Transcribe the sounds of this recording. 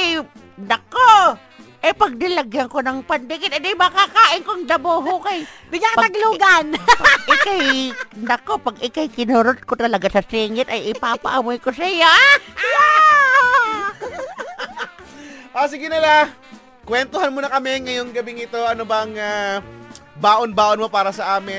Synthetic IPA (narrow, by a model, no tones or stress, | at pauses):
j | nd̪ɐkːo | ʔɐjpɐɡ̚d̪ɪlɐɡjɐŋkonɐŋpɐnd̪ɪkɪt̪ɐd̪ɪjmɐkakaːʔɪnkoŋd̪ɐboːɦokɐjbɪɡakɐpt̪ɐɡluːɡanpɐɡʔɪkajnd̪ɐkːopɐɡɪkajkɪnoɾot̪̚kot̪ɐlɐɡasɐsɛŋɪt̪ɐjʔɪpapɐ̰ʔɐmojkosɐjaja | ʔoːs̬ɪɡɪnɐla | kwɛnt̪ohanmonɐkɐmɛŋɐjoŋɡɐbɪŋɪt̪o̞ʔɐnobɐŋa | baːʔonbaːʔonmopaːɾɐsɐʔaːmɪ